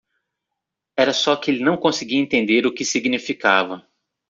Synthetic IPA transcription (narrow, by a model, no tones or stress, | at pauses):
ɛɾɐsɔkɪelɪnɐ̃w̃kõsɪɡiɐẽnt̪ẽnd̪eɾʊkɪsiɡnifikavɐ